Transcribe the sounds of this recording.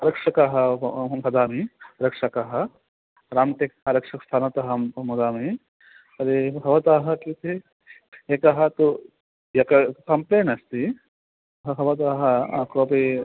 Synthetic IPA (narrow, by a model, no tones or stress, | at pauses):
ɾɐkʂɐkaɦɐɦɐd̪aːmiɾɐkʂɐkɐɦɐ | ɾaːmt̪ekaɾɐkʂɐkst̪ʰaːnɐt̪ɐɦɐmud̪aːmi | ɐɾiɦɐʋɐt̪aːɦɐkit̪e | ekɐɦɐt̪u | jɐkɐkɐmpleːnɐst̪i | ɐɦɐʋɐt̪aːɦɐkoːpi